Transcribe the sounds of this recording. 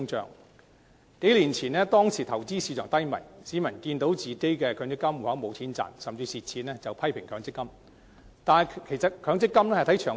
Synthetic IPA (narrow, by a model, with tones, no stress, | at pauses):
ŋt͡ʃœ̰ː˨ŋ | ke˨˥jliː˨˩nt͡sʰiː˨˩nɛː˥t̪ɔː˥ŋsʰiː˨˩t̪ʰɐ˨˩wt͡siː˥siː˧t͡sʰœː˨ŋt̪ɐ˥jmɐ̰˨˩jsiː˨˥mɐ˨˩nkiː˧nt̪o˨˥wt͡siː˨ke˥jkɛː˧kʰœː˨˧ŋt͡sɪ˥kːɐ˥mu˨˩hɐ˨˥mo˨˧wt͡sʰiː˨˥nt͡sa̰ː˨˩nsɐ˨mt͡siː˧siː˨t̚t͡sʰiː˨˥nɛː˥t͡sɐ˨wpʰɐ˥jpʰɪ˨˩ŋkʰœː˨˧ŋt͡sɪ˥kːɐ˥m | t̪aː˨nʰ˨kʰe˨˩jsɐ˨t̚kʰœː˨˧˥ŋt͡sɪ˥kːɐ˥mnɛː˥hjt̪ʰɐ˨˥jt͡ʃʰœː˨